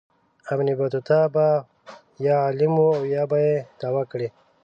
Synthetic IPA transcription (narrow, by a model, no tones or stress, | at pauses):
amnibat̪ut̪aba | jɑːlɪmuawjɑbajed̪̥awakɽe